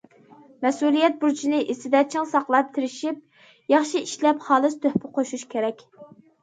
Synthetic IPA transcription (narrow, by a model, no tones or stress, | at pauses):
mɛsulijɛt̪̚buɾt͡ʃʰinɪʔesɪd̪ɛt͡ʃʰiŋsɑqlˠɑp̚t̪ʰɪɾɪʃip̚ | jɑχʃiiʃlɛpχɑːlˠɨst̪ʰøhpʰɪqʰoʃuʃkʲʰeɾɛkʲ